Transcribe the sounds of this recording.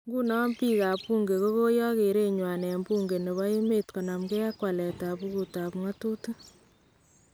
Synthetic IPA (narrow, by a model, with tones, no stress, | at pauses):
ŋɡu˦nɔ˦mpi˦ka˨pu˦ŋɡe˨ko˦ko˦jɔ˦ke˨ɾe˦ɲwa˨nɛ˨mbu˦ŋɡe˨ne˨βa˦ji˦me˦tko˨na˨mke˦a˦kwa˨lɛ˨ta˨pu˦ku˨ta˨pŋa˦tu˦tu˦